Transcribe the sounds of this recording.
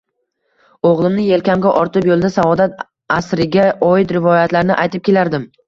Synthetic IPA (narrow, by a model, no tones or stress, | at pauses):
oʁlˠɪmnɪje̞lkʲamɡʲaʔɒɾt̪ʰɪpjolˠd̪asavɒd̪at̪ | asɾɪɡʲaʔɒɪt̪ɾɪvɒjat̪laɾɪnɪʔajt̪ʰɪp̚kʲʰe̞laɾd̪ɪm